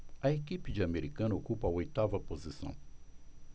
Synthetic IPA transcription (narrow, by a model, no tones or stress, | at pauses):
ɐekipɪd͡ʒɪɐmeɾikɐ̃nɐokupɐɐojt̪avɐpozisɐ̰̃w̃